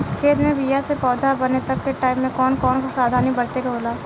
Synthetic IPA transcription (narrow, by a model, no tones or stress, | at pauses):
kʰeːd̪mẽbijasepɔːd̪ʱabɐnet̪ɐkːeʈaːɪmːẽkɔːnkɔːnkosaːd̪ʱanĩbɐɾt̪ekaboːlaː